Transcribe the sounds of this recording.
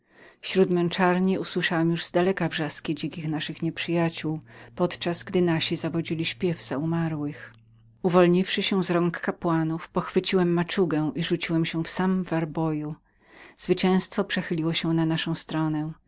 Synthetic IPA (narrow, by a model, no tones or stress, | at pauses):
fɕɾut̪mɛnt͡ʂaɾɲiʔuswɘʂawɛmjuʐzd̪alɛkavʐaskʲid͡ʑɛŋkʲixnaʂɘxɲɛpʂɘjat͡ɕuwpɔt̪t͡ʂazɡd̪ɘnaɕizavɔd͡ʑilʲiɕpʲjɛvz̥aumaɾwɘx | uvɔlɲifʂɘɕɛzɾɔŋkːapwanufpɔxfɘt͡ɕiwɛmːat͡ʂuɡɛ̃ʔiʐut͡ɕiwɛmɕɛ̃fsammvaɾbɔju | z̥vɘt͡ɕɛ̃w̃st̪fɔpʂɛxɘlʲiwɔɕɛnanaʂɔ̃w̃st̪ɾɔnɛ